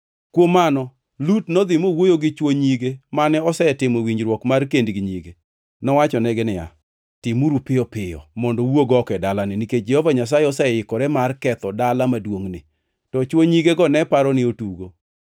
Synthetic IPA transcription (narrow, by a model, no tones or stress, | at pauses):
kwomːanɔ | lutnɔd̪ɪmowojoɡɪt͡ʃwoɲiɡemanɛɔsɛtɪmɔwiɲd͡ʒɾwɔkmarkendɡɪɲiɡe | nɔwat͡ʃɔnɛɡɪnɪja̰ | tɪmuɾupɪɔpɪjɔ̰mɔndɔwoɡɔkɛdalanɪniked͡ʒɛhovaɲas̬ajeɔsɛɛɪkɔɾɛmarkɛt̪ɔdalamadwoŋnɪ̰ | tɔt͡ʃwoɲiɡeɡɔnɛpaɾɔnɪotuɡo